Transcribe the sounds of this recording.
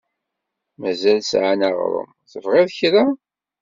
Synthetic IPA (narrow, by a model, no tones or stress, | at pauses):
mæzælsʕanaʁɾˤə̰m | θəvʁeðçɾa